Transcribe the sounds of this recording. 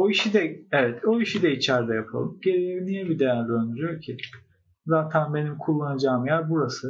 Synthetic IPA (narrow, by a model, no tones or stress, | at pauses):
o̞iʃid̪ɛevɛt̪ʰo̞iʃid̪ɛit͡ʃʰæɾd̪ɛjapʰa̰lˠɯmɟe̞ɾejevinijɛbid̪ejæɾlʲiønd̪yɾyjo̞ɾcʰi | zaːt̪ʰænbe̞nimkʰulˠːanad͡ʒaːmjæɾbuɾasɯ